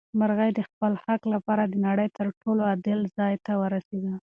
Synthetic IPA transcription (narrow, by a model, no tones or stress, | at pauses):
maɾɣəjd̪əxpəlxaklapɑɾad̪ənaɽəjt̪əɾʈoload̪əlzɑjt̪awəɾased̪a